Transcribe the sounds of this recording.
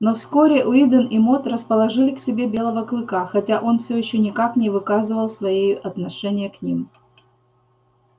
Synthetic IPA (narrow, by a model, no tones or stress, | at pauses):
nofskoɾʲɪʔʊid̪ənɪmo̞t̪rəspəlˠɐʐɨlʲɪksʲɪbʲe̞bʲe̞lˠəvəklˠɨkaxɐtʲaʔo̞nfsʲɵjɪɕːonʲɪkaknʲɪvɨkazɨvəlˠsvɐjejʊʔɐt̪nɐʂɛnʲɪjəknʲḭm